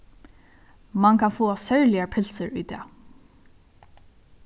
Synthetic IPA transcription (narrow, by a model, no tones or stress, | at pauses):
mankʰanfoːasœɹlɪaɹpʰɪlsəɹʊ̰ːt̪ɛ̰ː